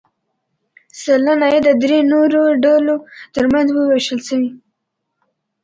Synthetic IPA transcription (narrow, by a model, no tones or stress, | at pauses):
salanajed̪əd̪ɾenoɾoɖalot̪əɾmanzwəweʃəlʃəwi